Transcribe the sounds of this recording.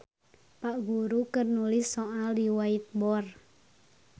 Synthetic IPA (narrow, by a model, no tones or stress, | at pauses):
paʔɡuɾukərnulɪsːɔʔaldiwait̪̚bɔr